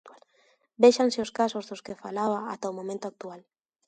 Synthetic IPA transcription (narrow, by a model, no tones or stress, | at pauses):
beʃanseoskasozðoskefalaβaat̪aomomẽnt̪oak̚t̪ual